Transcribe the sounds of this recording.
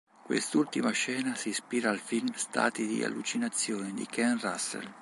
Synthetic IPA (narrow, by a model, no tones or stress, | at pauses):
kwḛst̪ult̪imaʃɛːnasispiːɾaːlfilmst̪a̰ːt̪id̪ḭa̰lːut͡ʃinat̪sːjoːned̪ḭkʰɛnrasːḛl